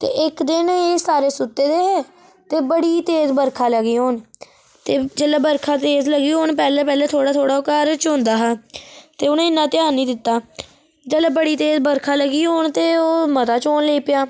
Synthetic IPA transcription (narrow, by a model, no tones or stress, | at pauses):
t̪ḛːʔɪkd̪ɪneːsaːɾeːsʊt̪ːeːd̪eːɦɛː | t̪eːbəɽiːt̪eːzbəɾkʰaːləɡiːɦoːn | t̪eːd͡ʒəlaːbəɾkʰaːt̪eːzləɡiːɦoːnpɛːleːpɛːleːt̪ʰoːɽaːt̪ʰoːɽaːokaːɾt͡ʃõnd̪aːɦaːt̪eːʊnẽːɪnːãːt̪ɪaːnĩːd̪ɪt̪ːaː | d͡ʒəlaːbəɽiːt̪eːzbəɾkʰaːləɡiːɦoːnt̪eːoːmət̪aːt͡ʃoːnleːpɪjaː